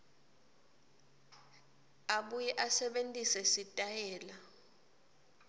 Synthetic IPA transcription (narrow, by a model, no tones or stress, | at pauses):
aɓujɛʔasɛɓentʼisɛsitʼajɛːla